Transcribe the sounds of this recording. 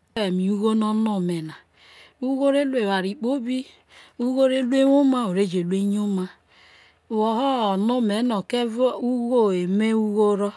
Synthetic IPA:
e˨mi˨u˦ɣo˦nɔ˦no˦˨me˨na˨ | u˦ɣo˦ɾe˦lu˦e˨wa˨ɾi˨k͡po˦bi˦ | u˦ɣo˦ɾe˦lu˦e˦wo˦ma˦o˨ɾe˦˨d͡ʒe˨lu˦e˦ɲ˦o˦ma˦˨ | wɔ˨ɦɔ˦ɔ˨nu˦me˨˦no˨ke˦vu˦ɣo˦e˨me˦u˦ɣo˦ɾɔ˦

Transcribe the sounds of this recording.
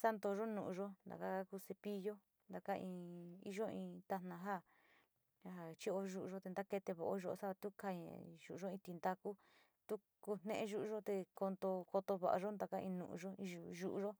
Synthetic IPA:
sa˦nd̪o˧ʒo˦nũ˨ʔu˧ʒo˦nd̪a̰˨ka˦ka˦ku˧se˧pi˧jo˦ | nd̪a˧ka˦ĩ˧ḭ˧ʒo˦ĩ˧t̪a˧nã˧ɦa˦ | a˧ɦa˨t͡ʃi˦o˧ʒu˦ʔu˧ʒo˦t̪e˧nd̪a˦ke˧t̪e˧βo̰˨ʔo˦ʒo˧o˧sa˦βa˧t̪u˦ka˧ɲḛ̃˨ʒu˨ʔu˧ʒo˦ĩ˧t̪i˧nd̪a˧ku˦ | t̪u˦ | ku˧n̥nḛ̃˦ʔẽ˧ʒu˦ʔu˧ʒo˦t̪e˧ko˧nd̪o˧ko˧t̪o˧βa̰˨a˧ʒo˦nd̪a˧ka˦˧ĩ˧nṵ̃˧˨ʔṵ̃˧ʒo˦ĩ˧ʒu˧ʒu˧˦ʔu˧ʒo˦

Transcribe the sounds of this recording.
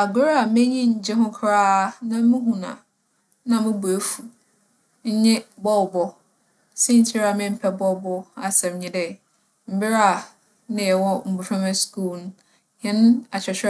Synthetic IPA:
a˨ɡʊ˦ɾa˦˨mɪ̃˦ɲĩ˦ɲ̩˨d͡ʑɪ˦ɦʊ̃˦kʰɾaː˦nã˦mũ˦ɦũ˨nã̰˨ | nã˨mɪ̃˦bu˨e˦fu˨ | ɲ̩˦ɲɪ̃˦bɔ˦wbɔ˦ | sĩ˦n̩˦tʰi˦ɾa˨mɪ̃˦m̩˦pʰɛ˦bɔ˦˨bɔ˦a˨sɛ̃˨m˨ɲĩ˨dɛ˨ | m̩˦bɪ˦ɾa˦˨ | nɪ̃˨ɛ˨wɔ˦m̩˨bu˨pʰᶣã˦mɛ˦sku˦˨ln˦ | jɛ̃˦n˦a˨t͡ɕʰᶣɛ˨t͡ɕʰᶣ

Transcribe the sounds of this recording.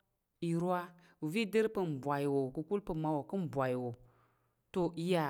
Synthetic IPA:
i˨ɾu˦a˦ | u˨vi˦de˦ɾpə˦m˨bʷa˨ji˨wo˨ku˨ku˦lpə˦˨ma˦wo˨kɨ˦m˨bʷa˨jwo˨ | to˦˨i˦ja˨

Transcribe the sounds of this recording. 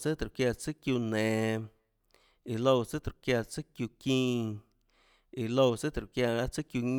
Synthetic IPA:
t͡sɨ˦t̪ɾu˨kja˧t͡sɨ˦kju˧nɛ̃ː˨ | i˨lo˧wt͡sɨ˦t̪ɾu˨kja˧t͡sɨ˦kju˧kĩː˦˧ | i˨lo˧wt͡sɨ˦t̪ɾu˨kja˧a˦t͡sɨ˦kju˧ɲ

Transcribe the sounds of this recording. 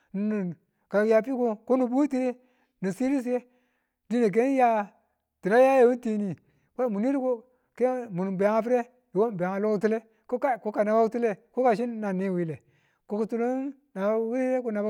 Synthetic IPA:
n˨n˨ | ka˨ja˨pi˦ko˦ko˦nu˨bu˦ti˦ɾi˦ | ni˨si˦ɾi˦s̬je˦ | di˦ne˨k̬e˦ja˦ | ti˨na˦ja˦je˨wu˦nti˦ni˨ | ka˦mu˨ni˦ɾi˦ko˦ | ke˦mu˨n˨be˨˦ŋa˦fi˦ɾe˦ | ji˨wo˦˨be˨ŋa˨lo˦ku˦tu˦le˦ | ko˦ka˦˨ko˦ka˨na˨ba˦u˦tu˦le˦ko˦ka˨ʃ̬i˦n˦na˨ni˦˨wi˦le˨ | ko˨˦ku˨tu˦lu˦ | na˨˦wi˦i˦ɾe˦ku˦na˨b

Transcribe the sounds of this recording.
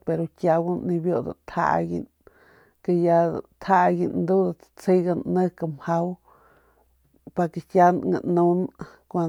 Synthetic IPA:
pe˧ɾo˧kʲa˧wa˦nni˧bjo˦d̪a̰˨t̪ʰha̰˦ɡḭ˧n | ke˧ja̰˧t̪ʰha˦ɡi˧nnd̪u˦d̪ḁt͡si˦ɡa˧nnɨ˦ka˧mha˦w | pa˧ke˨kʲa˦nŋa̰˨nu˦n | kʷa˧

